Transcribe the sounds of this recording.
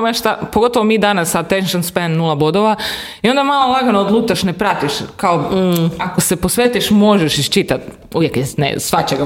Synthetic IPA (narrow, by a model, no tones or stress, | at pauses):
mʃt̪apoɡo̞t̪oʋomiːd̪anasːad̪̚t̪eʃit͡ʃonspennulˠabod̪oʋa | io̞nd̪amalˠolˠaɡanood̪lˠuːt̪aʃnepɾat̪iʃkaoakose̞posʋet̪iʃmo̞ʒeʃiʃt͡ʃit̪at̪ | ṵʋjekenḛsʋat͡ɕeɡa